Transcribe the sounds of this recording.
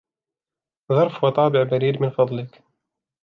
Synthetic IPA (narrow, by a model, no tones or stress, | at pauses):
ðˤɑɾˤfwɑt̪ˤɑːbɪʕbaɾiːɾmɪnfɑd̪ˤlɪk